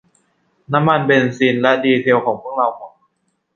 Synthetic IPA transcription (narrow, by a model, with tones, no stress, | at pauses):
na˦˥mːa˧nbe˧nsiː˧nlɛ˦˥diː˧t̪ʰe˧əwkʰɔː˨˩˦ŋpʰu˥˩ək̚ɾa˧wkʰɔː˨˩˦ŋa˧˩